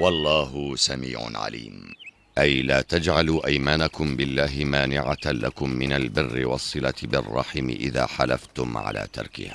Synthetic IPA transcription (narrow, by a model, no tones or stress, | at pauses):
wɑlˤːɑːɦʊsamḭːʕʊ̰nʕa̰lḭːm | ʔajlaːt̪ad͡ʒʕaluːʔajmaːnakʊmbɪlːaːɦɪmaːnɪʕalakʊmːɪnalbɪrːɪwɑsˤːɨlat̪bɪrˤːɑ̰ħɪmɪ̰ʔɪða̰ːħalaft̪ʊmʕa̰la̰ːt̪ɑ̰ɾˤkɪ̰haː